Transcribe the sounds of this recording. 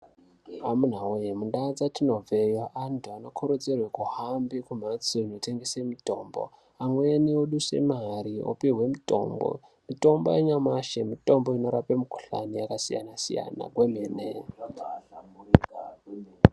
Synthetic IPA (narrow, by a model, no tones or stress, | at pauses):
amun̤aojemundad͡zatino̞ve̞joʔantʰuano̞kʰoɾod͡zerwekuhambikumat͡soinote̞ŋɡesemito̞ːmbo̞̰ | amwenioɗuse̞̰maɾio̰piɦwe̞mito̰mbo̰ | mito̞mbo̰eɲamaʃemito̞mbo̞ino̞ɾapemuku̥ɬa̰nijakasija̰nasḭja̰na̰kwemeːne